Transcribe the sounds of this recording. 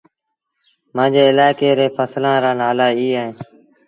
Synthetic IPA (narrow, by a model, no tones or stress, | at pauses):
mãːd͡ʒeːɪlaːɪkeːɾeːfʰəslãːɾaːnaːlaːiːaːɦẽː